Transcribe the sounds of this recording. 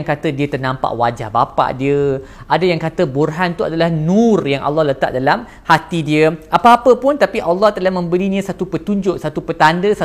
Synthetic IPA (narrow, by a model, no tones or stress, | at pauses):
ŋkat̪ədiət̪ərnãmpa̰ʔwad͡ʒa̰hba̰pa̰ʔdiə | ʔadajaŋkat̪əburɦant̪uadalahnũrjaŋʔa̰lːɔhlət̪a̰ʔ̚dalam | hat̪idiəʔapaːpəpʊnt̪apiʔalːɑht̪əlahmə̃mbəɾiɲə̃sat̪upət̪uɲd͡ʒʊʔsat̪upət̪andəsa